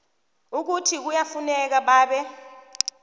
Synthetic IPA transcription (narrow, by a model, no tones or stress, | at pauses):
uk̬utʰik̬ujafunɛk̬aɓaːɓɛ